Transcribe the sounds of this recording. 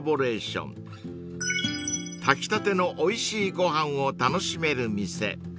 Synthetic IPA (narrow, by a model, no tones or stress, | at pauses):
bo̞ɾe̞ːɕõ̰n | t̪ʰakʲi̥t̪at̪e̞no̞ʔoiɕiːɡo̞ɦãɰ̃o̞t̪ano̞ɕime̞ɾɯ̟mʲise̞̰